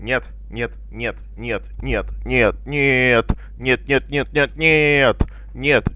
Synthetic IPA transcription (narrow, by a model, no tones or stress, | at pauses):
nʲet̪ | nʲet̪ | nʲet̪ | nʲet̪nʲet̪nʲet̪̚nʲet̪ | nʲet̪̚nʲet̪̚nʲet̪̚nʲet̪̚nʲet̪ | nʲet̪